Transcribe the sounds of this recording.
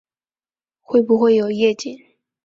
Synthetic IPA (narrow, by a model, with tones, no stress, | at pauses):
xwe˥˩ɪbu˧˦xwe˥˩ɪjo˨˩ʊjɛ˥˧t͡ɕɛ˥˩˨n